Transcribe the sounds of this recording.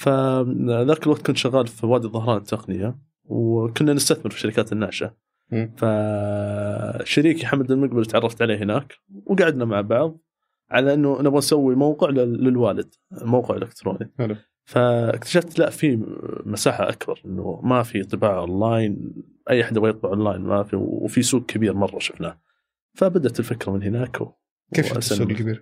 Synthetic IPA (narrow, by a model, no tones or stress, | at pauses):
faðaːkɪlwaɡ̚t̪kuːnʃaɣaːlfwaːd̪iðˤɑhɾˤɑːnɪt̪ʰːaqnɪja | wkʊnːanɪst̪aθmɪɾfi̥ʃːaɾɪkaːt̪ɪnːaːʃa | fa | ʃːaɾiːkiħamd̪ɪlmʊɡbalt̪ʕɑrˤːɑft̪ʕaleːɦɪnaːkwɡaʕɪd̪namaʕbɑʕðˤ | ʕalaʔɪnːunɪbɣansawːimawqɪʕːɪlwaːlɪd̪̥ | mawqɪʕɪ̰lʔɪkt̪ɾo̰ːni | faɪ̰kt̪ḁʃaft̪laʔfimasaːħaʔa̰kbɑ̰ɾˤʔɪnːṵmafit̪ˤːɨbaːʕʔonːaːjn | ʔajːaħad̪awajɨt̪ˤbɑʕʔɑnlːaːjnma̰fḭwfisuːɡ̚kʰabiːɾmɑrˤːɑ̰ʃɪ̥fnaː | fabad̪aʔt̪ɪlfɪkɾamɪnhɪnaːkw | eːa̰saiːɾ